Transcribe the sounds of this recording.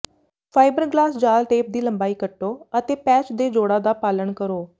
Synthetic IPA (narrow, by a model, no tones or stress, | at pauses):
pʰaːɪbəɾɡlaːsd͡ʒaːlʈeːp̚d̪iːləmbaːiːkəʈːoːət̪eːpɛːt͡ʃd̪eːd͡ʒoːɽaːd̪aːpaːləɳkəɾoː